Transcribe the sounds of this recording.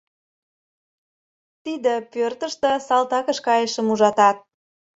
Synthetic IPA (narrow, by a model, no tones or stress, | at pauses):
t̪id̪ĕpørt̪ə̆ʃt̪ə̆sɑlt̪ɑkəʃkɑjəʃəmuʒɑt̪ɑt̪̚